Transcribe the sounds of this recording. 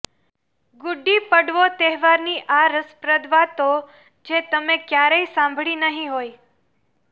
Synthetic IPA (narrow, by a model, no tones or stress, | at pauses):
ɡʊɖːipəɽʋot̪ɛɦʋaɾniʔaɾəspɾəd̪ʋat̪o | d͡ʒet̪əmekjaɾəisãmbʱɭinəɦĩɦoj